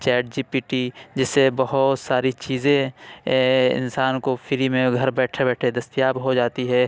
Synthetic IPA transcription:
t͡ʃɛːʈ̚d͡ʒiːpiːʈid͡ʒɪsːebɐɦʊt̪saːɾit͡ʃiːzẽ | ɪ̰nsaːnkofʰɪɾimẽɡʱɐɾbɛːʈʰebɛːʈʰed̪ɐst̪ijaːbɦod͡ʒaːt̪iɦɛː

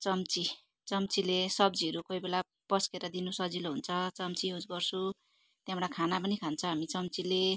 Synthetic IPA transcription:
t͡sʌmt͡si | t͡sʌmt͡silesʌb̚d͡ziʌɾukʌibela | pʌskeɾʌd̪inusʌd͡ziloɦunt͡sʰʌt͡sʌmt͡siud͡zɡʌrt͡sʰu | t̪jamɽakʰanapʌnikʰant͡sʰʌɦamit͡sʌmt͡sile

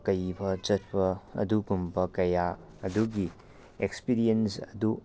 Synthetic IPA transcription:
kɐjbɐt͡ʃɐt̚pɐɐ̰duɡumbɐkɐja | ɐduɡi | ekspiɾiensɐdu

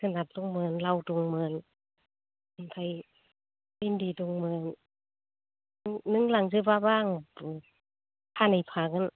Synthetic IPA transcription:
kʰanat̪̚t̪uŋmɯːnlawt̪uŋmɯːn | anpʰaj | lindiːt̪uŋmɯːn | ŋːɯŋlaŋsɯpabaːŋpɯ | pʰaːnajpʰaːkan

